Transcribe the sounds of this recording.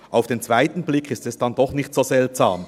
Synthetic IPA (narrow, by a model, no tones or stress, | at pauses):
ʔaʊfd̥eːnt͡sv̥aɪtn̩blɪkʰɪstɛsd̥andɔχnɪçtz̥oːzɛltsa̰ːm